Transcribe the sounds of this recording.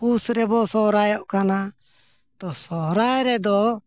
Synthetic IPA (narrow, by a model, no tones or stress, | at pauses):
pusɾɛbɔsɔɦɾajɔʔkana | t̪ɔsɔɦɾaɾɛd̪ɔ